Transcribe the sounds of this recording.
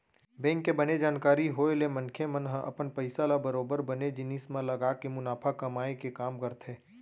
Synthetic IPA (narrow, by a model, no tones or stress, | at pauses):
bɛ̃ːŋkːebɐned͡ʒaːnkaːɾiɦoelemɐ̃nkʰemənɦəʔɐ̰pənpɐɪsalabəɾoːbəɾbɐned͡ʒɪniːsmãlɐɡaːkemʊnaːpʰakɐmaːekekaːmkəɾt̪ʰɦeː